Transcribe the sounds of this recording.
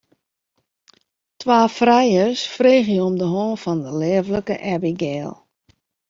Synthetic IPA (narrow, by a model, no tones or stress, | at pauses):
tʋaːfrɛjəsfreːɣjəomdəɦɔːnfɔndəleːvləkə̰ʔɛbiɡɛːlˠ